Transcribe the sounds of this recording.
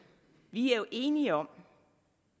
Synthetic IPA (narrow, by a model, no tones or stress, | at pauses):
ʋiæɐjo̝ʔe̝ːniəɒ̽m̰